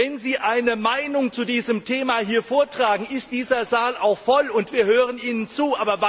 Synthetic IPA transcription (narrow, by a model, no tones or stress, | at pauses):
ɛnziːʔaɪnəmaɪnʊŋt͡sudiːzəmtʰeːmahiːɐfoːɐtʁ̥aːɡŋ̩ɪst̚d̥iːzɐzaːlaʊxfɔlʊntv̥iːɐhøːʁəniːnənt͡suːʔaːbɐva